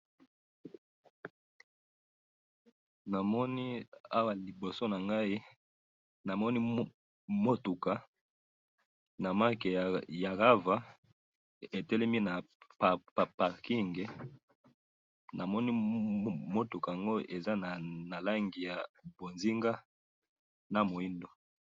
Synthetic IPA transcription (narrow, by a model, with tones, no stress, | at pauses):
na˨mɔ˦ni˦a˦wa˨li˨bo˨so˦na˨ŋɡa˦i˦ | na˨mɔ˦ni˦ | mo˦tu˨ka˨ | na˨ma˦ke˨ja˨ɡa˦va˨ | e˨tɛ˦lɛ˦mi˦na˨ | ppa˨pa˨ʁki˦ŋɡe˨ | na˨mɔ˦ni˦ | mo˦tu˨ka˨a˨ŋɡo˦ʔe˨za˦na˨na˨la˦ŋɡi˨ja˨bo˨nzi˦ŋɡa˦ | na˨mo˨i˦ndo˨